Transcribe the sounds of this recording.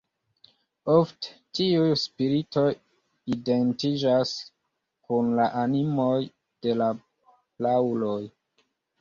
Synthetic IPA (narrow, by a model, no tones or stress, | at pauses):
ofte̥tiujspiɾito̞ | identid͡ʒas | kunlaʔanimo̞j | d̥e̞la | lawloj